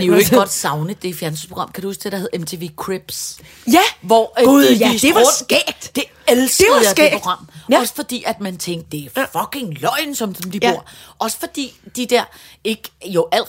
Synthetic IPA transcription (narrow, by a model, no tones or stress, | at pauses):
deoe̝ɡ̥ɒ̽d̥sɑ̈ʊnəd̥e̝fjæɐnsy̥pʰo̝ɡ̥ɑ̈mkʰæɾuɒ̽st͡sʰedɐhe̝ðˠemt͡sʰe̝ʋeːkʰʁeb̥s | jæʋɒðˠiseoɐ̰d̥ɛːd̥d̥e̝ | elsɡəð̩ˠɑɪdepːʰo̝ɡ̥ʁɑ̈m̰ɒ̽sə̥fɒ̽d̥ḭːæd̥mænt͡sʰeŋɡ̥d̥e̝æfɒkʰe̝ŋlɒɪnsɒ̽mmd̥ib̥o̝ɐ̰ʔɒ̽sə̥fɒ̽d̥ḭːd̥id̥æɐ̰e̝ɡ̥joʔæl̰